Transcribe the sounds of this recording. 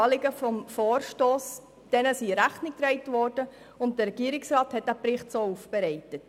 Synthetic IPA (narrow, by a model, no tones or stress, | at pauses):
lɪɡəfɔmfoːɾʃtoːs | d̥ɛnəsiɾæχnɪk̚d̥ɾɛɪtʋɔːrd̥ə | ʊnt̚dəɾɛɡ̥iəɾɪksrɑːthɛt̚ːæprɪχtsoːufb̥ɛɾɛæɪtət